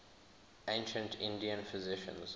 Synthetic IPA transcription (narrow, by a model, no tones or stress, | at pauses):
ʔẽnʃə̃ntʰɪ̃ndiə̃nfɪzɪʃə̰̃nz